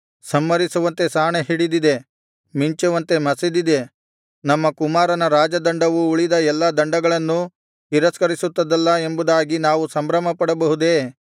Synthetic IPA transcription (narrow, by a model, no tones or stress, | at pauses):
sɐmːɐɾisuʋɐnt̪e̞saːɳeɦiɽid̪id̪e̞ | miɲt͡ʃɐʋɐnt̪e̞mɐsid̪id̪e̞ | nɐmːɐkumaːɾɐnɐɾaːd͡ʒɐd̪ɐɳɖɐʋuːɭid̪ɐɛlːɐd̪ɐɳɖɐɡɐɭɐnːu | hiɾɐskɐɾisut̪ːɐd̪ɐlːɐe̞mbud̪aːɡinaːʋusɐmbɾɐmɐpɐɽɐbɐɦud̪e̞ː